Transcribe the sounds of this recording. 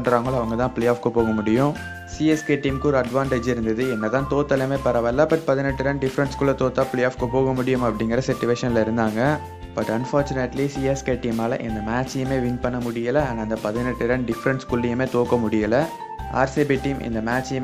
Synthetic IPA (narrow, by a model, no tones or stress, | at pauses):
ɳɖɾaːŋɡɐɭɐʋɐŋɡɐt̪ãːpɭeːjaːfkɯpoːɣɐmʊɽɪjʊ̃ | siɛskeːʈiːmkɯɔːɾɯɐɖʋaːɳʈeːd͡ʒɪɾɯnd̪ɐðɯɛnːɐt̪ãːt̪oːt̪ːɐlɐmeːpɐɾɐʋɐlːaːpɐʈpɐðɪnɛʈːɯɾɐɳɖɖɪfɾɐnʈskʊɭːɐt̪oːt̪ːaːpɭeːjaːfkɯpoːɣɐmʊɽɪjɯmɐpːɐɽɪŋɡɐɾɐsɛʈːɪʋeːʂɐnlɐɪɾɯnd̪aːŋɡɐ | b̥ɐʈːɐnfaːɾt͡ʃʊneʈlisiːɛskeːʈːiːmaːlɐʔɛ̰nd̪ɐmaːt͡ʃɪjɐmeːʋɪŋɡpɐɳːɐmʊɽɪjɐlɐɐnɐnd̪ɐpɐðɪnɛʈːɯɾɐɳɖɪfɾɐɳskʊlːɪjɐmeːt̪oːkɐmʊɽɪjɐlɐ | a̰ːɾseːbiʈːiːmʔɪ̰nd̪ɐmaːt͡ʃj